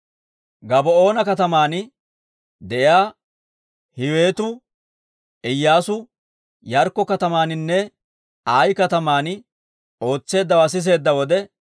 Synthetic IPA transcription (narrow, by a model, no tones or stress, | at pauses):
ɡɐbɔoːnɐkɐt̪ɐmaːn | d̪ɛʔɪjaː | hɪwe̞ːt̪ʊ | ɪjːaːsʊ | jɐɾkːɔkɐt̪ɐmaːnɪnːɛ | aːjkɐt̪ɐmaːn | o̞ːt͡sːe̞ːd̪ːɐwaːs̬ɪs̬e̞ːd̪ːɐwɔd̪ɛ